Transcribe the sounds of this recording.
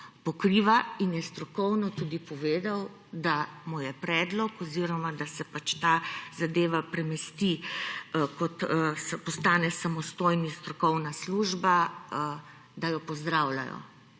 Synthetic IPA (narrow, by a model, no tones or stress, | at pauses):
pɔkɾiʋainjɛst̪ɾɔkɔwnɔt̪ud̪ipɔʋeːd̪aw | d̪amujɛpɾɛːd̪lɔkɔziɾɔmad̪asɛpat͡ʃt̪aːzad̪eːʋapɾɛmɛst̪i | kɔt̪spɔst̪aːnɛsamɔst̪ojnist̪ɾɔkɔwnasluʒba | d̪ajɔpɔzd̪ɾawla̰jɔ̰